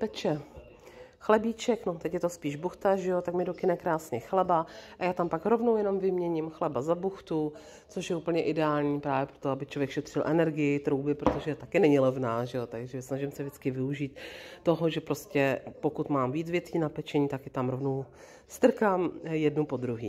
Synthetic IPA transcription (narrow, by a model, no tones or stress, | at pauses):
pɛt͡ʃɛ | xlɛbiːt͡ʃɛkno̞t̪ɛcjɛt̪o̞spiːʒbuxt̪aʒɛjot̪akmɪdokɪnɛkɾaːsɲɛxlɛbaʔajaːt̪ampakɾo̞vnowjɛno̞mvɪmɲɛɲɪmxlɛbazabuxt̪u | t͡so̞ʃjɛuːpəɲɛʔɪdɛaːlɲiːpɾaːvjɛpɾot̪oabɪt͡ʃlo̞vjɛkʃɛt̪r̝̥ɪlʔɛnɛɾɡɪjɪt̪ɾo̞wbɪpɾot̪oʒɛt̪akɪnɛɲɪlɛvnaːʒɛjot̪aɡʒɛsnaʒɪmsɛvʒɪt͡skɪvɪuʒiːt̪t̪ːo̞ɦoʒɛpɾoscɛpo̞kut̪maːmviːd͡zvjɛt̪iːnapɛt͡ʃɛɲiːt̪akjɛt̪amɾo̞vnow | st̪r̩kamjɛdnupo̞d̪ɾuɦḭː